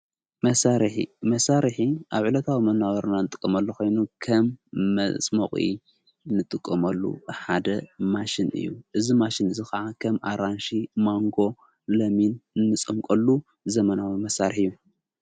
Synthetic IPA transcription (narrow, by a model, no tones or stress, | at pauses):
mɐsaɾħḭmɐsaɾħiʔaβʕulɐt̪ʰawimɐnːaβɐɾnanɨt̪ʼɨ̥kʼːɐmɐlːoxo̞jnukʰɐmːɐ̰t͡sʼmɐχʼḭ | nɨt̪ʼɨkʼːɐmɐlːṵħad̪ɐmaʃɪnɨ̰jːuʔɨzimaʃinɨzikɐʕakʰɐmʔa̰ɾanʃimaŋɡo̞ | lɐminɨnːɨt͡sʼɐmkʼɐlːu | zɐmɐnawimɐsaɾħɨjːu